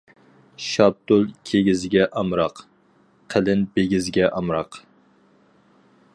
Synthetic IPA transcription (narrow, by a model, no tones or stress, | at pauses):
ʃɑb̚t̪ʊlˠkʲʰeɡʲizɪɡʲɛʔɑmɾɑq | qʰəlɪnbeɡʲɪzɪɡʲɛʔɑmɾɑq